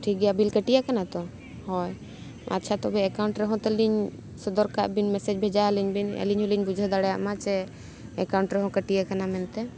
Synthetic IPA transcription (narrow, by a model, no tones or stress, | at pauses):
ʈʰik̚ɡɛjabilkəʈijakanat̪ɔ | hɔj | a̰tːt͡ʃʰat̪ɔbɛːkawɳʈɾɛɦɔ̃t̪ɛliɲ | sɔd̪ɔɾkaʔbinmɛsɛd͡ʒbʱɛd͡ʒaliɲbinɛ̰liɲɦɔliɲbud͡ʒʱɔd̪aɽɛjaʔmat͡ʃɛ | ɛkawɳʈɾɛɦɔ̃kəʈijakanamɛnt̪ɛ